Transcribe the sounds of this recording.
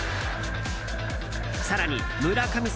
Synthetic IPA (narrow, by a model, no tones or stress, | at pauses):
saɾaɲ̟i | mɯɾakʰamis